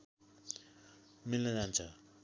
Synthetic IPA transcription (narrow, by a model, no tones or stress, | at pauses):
milnʌd͡zant͡sʰʌ